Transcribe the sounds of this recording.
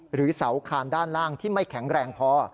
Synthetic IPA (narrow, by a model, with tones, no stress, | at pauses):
ɾɯː˩˦sa˩˦˥wkʰaː˧ndaː˥˩nlaː˥˩ŋt̪ʰiː˥˩ma˥˩jkʰɛ˩˦ŋɾɛː˧ŋpʰɔː˦˥